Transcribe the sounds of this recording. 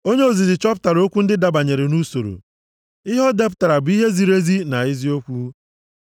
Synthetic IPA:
o˦ɲe˦o˦˨zi˨zɪ˨t͡ʃɔ˦pta˨ɾo˦kʷu˦n̩˦dɪ˦da˨ba˨ɲe˨ɾe˨nu˦so˨ɾo̰˨ | ɪ˦ɦɔ˦de˦p̬ʊ˨ta˨ɾa˨bʊ˨˦i˦ɦe˦zi˨ɾe˦zi˦na˨ɪ˦zi˦o˦kʷu˦

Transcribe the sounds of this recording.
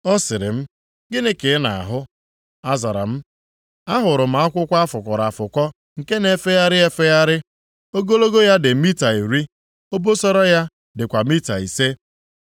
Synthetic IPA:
ɔ˦sɪ˨ɾɪ̰˨m̩˦ | ɡɪ˦nɪ˦ke˨˦na̰˨a̰˨ɦʊ˦ | a˦za˨ɾa̰˨m̩˦ | a˦ɦʊ˨ɾʊ˨m̩˨a˦kʷʊ˦kʷa˦a˦fʊ˨kʷɔ˨ɾa˨fʊ˨kʷɔ˦ | ŋ̩˨ke˦ne˨fe˦ja˦ɾɪ˦e˦fe˦ja˦ɾɪ˦ | o˦ɡo˦lo˦ɡo˦ja˦dɪ˨mi˦ta˨i˨ɾi˦ | o˦bo˦sɔ˦ɾɔ˦ja˦ | dɪ˨kʷa˨mi˦ta˨i˨se˦

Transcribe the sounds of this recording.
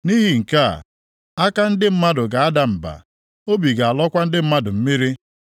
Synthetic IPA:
ni˦ɦi˨ŋ̩˨ka̰˦˨ | a˦ka˦n̩˦dɪ˦m̩˦ma˦dʊ˨ɡa˨a˦da˨m̩˨ba̰˨ | o˦bi˨ɡa˨a˨lɔ˦kʷa˦n̩˦dɪ˦m̩˦ma˦dʊ˨m̩˦mi˦ɾi˦

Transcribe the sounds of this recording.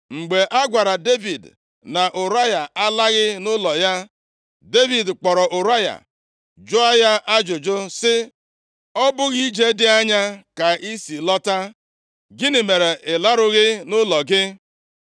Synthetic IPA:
ŋ͡m̩˨ɡ͡be˨ʔa˦ɡʷa˨ɾa˨de˦vi˨d | na˨ʔʊ˨ɾa˦ja˨a˦la˦ɣɪ˦nʊ˦lɔ˨ja˦ | de˦vi˨dk͡pɔ˨ɾɔ˨ʔʊ˨ɾa˦ja̰˨ | d͡ʒʊ˦a˦ja˦ʔa˦d͡ʒʊ˨d͡ʒʊ˦sɪ˦ | ɔ˦bʊ˦ɣi˦d͡ʒe˦dɪ˦a˦ɲa˦ka˨i˦si˨lɔ˦ta˦ | ɡɪ˦nɪ˨me˨ɾe˨ʔɪ˨la˦ɾʊ˦ɣɪ˦nʊ˦lɔ˨ɡɪ˦

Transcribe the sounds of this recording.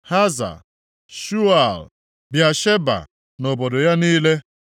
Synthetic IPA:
ha˦za̰˨ | ʃu˦a˨l | bja˨ʃe˦ba̰˨ | no˨bo˨do˨ja˦niː˦le˦

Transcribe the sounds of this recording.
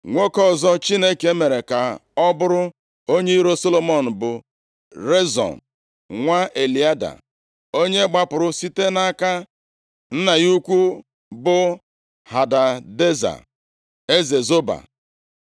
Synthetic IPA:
ŋʷo˦kɔ˦˨zɔ˦t͡ʃi˦ne˦ke˦me˨ɾe˨ka˨ɔ˦bʊ˦ɾʊ˦ | o˦ɲe˦i˦ɾo˦so˦lo˨mɔ˨n̩˨bʊ˨ | ɾe˦zɔ̰˨n̩˨ | ŋʷa˦e˨li˨a˦da̰˨ | o˦ɲe˦ɡ͡ba˦pʊ˨ɾʊ˦si˦te˦na˦ka˦ | n̩˦na˨ju˦kʷu˦ | bʊ˦ | ha˨da˨de˦za̰˨ | e˦ze˨zo˦ba̰˨

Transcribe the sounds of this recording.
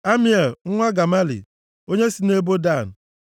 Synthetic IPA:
a˦mi˦e˨lŋ̩˦ŋʷa˦ɡa˨ma˦lḭ˨ | o˦ɲe˦si˦ne˦bo˦da˦˨n̩˨

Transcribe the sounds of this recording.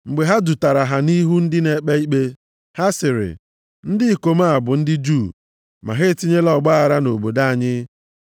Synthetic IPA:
ŋ͡m̩˨ɡ͡be˨ɦa˦du˨ta˨ɾa˨ɦa˨ni˦ɦu˦n̩˦dɪ˦ne˨k͡pe˦i˦k͡pe˦ | ha˦sɪ˨ɾɪ̰˨ | n̩˦dɪ˦i˨ko˨ma˦a˨bʊ˨n̩˦dɪ˦d͡ʒu˦˨ | ma̰˨ɦe˦˨ti˦ɲe˦lɔ˨ɡ͡ba˦a˨ɾa˦no˨bo˨da˦˨ɲɪ˦

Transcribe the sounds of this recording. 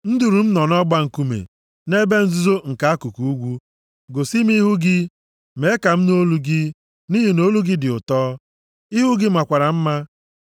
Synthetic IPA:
n̩˦du˨ɾu˨m̩˦nɔ˨nɔ˦ɡ͡ba˦ŋ̩˨ku˦mḛ˨ | ne˦be˦n̩˦zu˦zo˦ŋ̩˨ka˨a˦ku˨ku˨u˦ɡʷu˦ | ɡo˨si˦m˦i˦ɦu˦ɡɪ˦ | me˨˦ka˨m̩˦no˦lu˦ɡɪ˦ | ni˦ɦi˨no˦lu˦ɡɪ˦dɪ˨ʊ˨tɔː˦ | i˦ɦu˦ɡɪ˦m̩˦˨a˨kʷa˨ɾa˨m̩˦ma˦

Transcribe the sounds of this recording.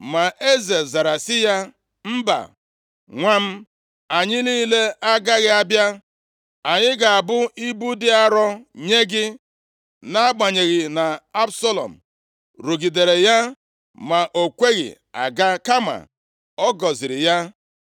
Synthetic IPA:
ma˨ʔe˦ze˨za˨ɾa˨sɪ˦ja˦ | m̩˦ba̰˨ | ŋʷa˦m̩˦ | a˨ɲɪ˦liː˦le˦a˦ɡa˦ɣɪ˦a˦bja˦ | a˨ɲɪ˦ɡa˨a˨bʊ˦i˦bu˦dɪ˦a˦ɾɔ˦ɲe˦ɡɪ˦ | na˦a˦ɡ͡ba˨ɲe˨ɣi˨na˨a˦bsɔ˦lɔ̰˨m̩˨ | ɾo˨ɡi˨de˨ɾe˨ja˦ | ma˨ʔo˨kʷe˦ɣɪ̰˨ | a̰˨ɡa˦ka˦ma̰˨ | ɔ˦ɡɔ˨zɪ˨ɾɪ˨ja˦

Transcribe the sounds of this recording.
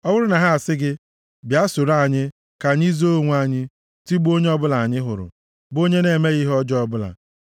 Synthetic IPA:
ɔ˦wʊ˦ɾʊ˦na˨ɦa˦a˨sɪ˦ɡɪ˦ | bja˦sʊ˨ɾa˦˨ɲɪ˦ | ka˨ɲ˦i˦zo˦ŋʷu˨˦a˦˨ɲɪ˦ | ti˦ɡ͡bo˦ɲe˦ɔ˦bʊ˦la˨a˨ɲɪ˦ɦʊ˨ɾʊ̰˨ | bo˦ɲe˦ne˨me˦ɣi˦ɦɔ˦d͡ʒɔ˦bʊ˦la̰˨

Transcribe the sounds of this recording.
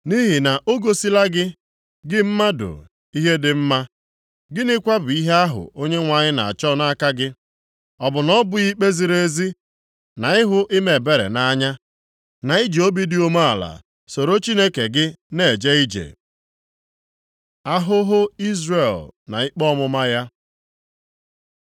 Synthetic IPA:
ni˦ɦi˨na˨ʔo˦ɡo˦si˦la˦ɡɪ˦ | ɡɪ˦m̩˦ma˦dʊ̰˨ | i˦ɦe˦dɪ˨m̩˦ma˦ | ɡɪ˦nɪ˦kʷa˦bʊ˨i˦ɦe˦a˦ɦʊ̰˨ʔo˦ɲe˦ŋʷa˨ɲɪ˦na˨a̰˨t͡ʃɔ˦na˦ka˦ɡɪ˦ | ɔ˨bʊ˨nɔ˦bʊ˨i˦k͡pe˦zi˨ɾe˦zi˦ | na˨ɪ˦ɦʊ˦ʔɪ˦me˨be˨ɾḛ˨na˦a˦ɲa˦ | na˨i˦d͡ʒi˨˦o˦bi˦dɪ˦o˦ma˦a˨la̰˨ | so˨ɾo˦t͡ʃi˦ne˦ke˨ɡɪ˦ne˦˨d͡ʒe˦i˦d͡ʒḛ˨ | a˦ɦʊ˦ɦʊ˦i˦zre˨lna̰˨ɪ˦k͡pɔ˦mʊ˦ma˦ja˦

